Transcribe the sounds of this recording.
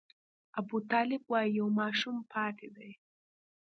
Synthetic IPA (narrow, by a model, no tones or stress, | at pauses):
abut̪ɑːlɪbwɑjijawmɑːʃumpʰɑːt̪ʰed̪aj